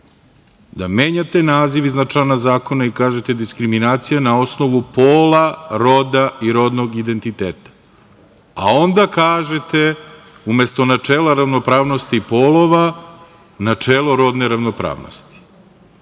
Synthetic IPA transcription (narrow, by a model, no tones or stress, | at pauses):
d̪ameːɲat̪e̞naːziʋiznat͡ʂanazaːko̞naikaːʒe̞t̪e̞d̪iskɾiminaːt̪sijanao̞sno̞ʋupoːlˠaɾo̞d̪aiɾo̞d̪noɡid̪e̞nt̪it̪eːt̪ḁ | a̰o̞nd̪akaːʒet̪e | ume̞st̪o̞nat͡ʂeːlˠaɾaʋno̞pɾaːʋno̞st̪iːpo̞ːlo̞ʋa | nat͡ʂeːlˠoɾo̞d̪ne̞ɾaʋno̞pɾa̰ːʋno̰st̪i̥